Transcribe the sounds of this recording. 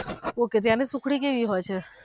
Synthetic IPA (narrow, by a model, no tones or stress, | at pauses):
oket̪̬jãnisũkʰɽik̬eʋiɦɔjt͡ʃʰe